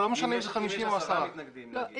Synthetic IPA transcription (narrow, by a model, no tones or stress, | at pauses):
lomeʃanebzeχamiʃimoasaʁa